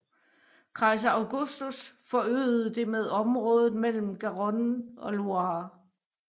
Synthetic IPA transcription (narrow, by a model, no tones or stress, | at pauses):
kʰʁɑ̈ɪs̬ɐɑʊɡ̥usd̥usfɒ̽ø̰ːð̩ˠd̥e̝með̞ˠɒ̽mʁɔ̽ːð̞ˠð̩ˠmel̰m̩ɡ̥æʁɔnɒ̽luɑ